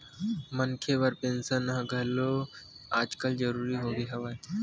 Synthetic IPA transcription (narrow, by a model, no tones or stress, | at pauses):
mənkʰeʋəɾpẽnsanãɡʱəlo | aːd͡ʒkəld͡ʒəɾuːɾiɦobiɦɐʋaː